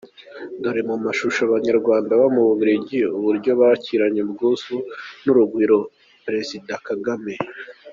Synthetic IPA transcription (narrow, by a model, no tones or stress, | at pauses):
doɾimumaʃuʃoβaɲaɾɡwaːndawamuβuβiɾeɟiuβuɾɟo̞βaciɾaɲebɡuzunuɾuɡɡwiːɾo̞ | pɾe̞zidakaɡame̞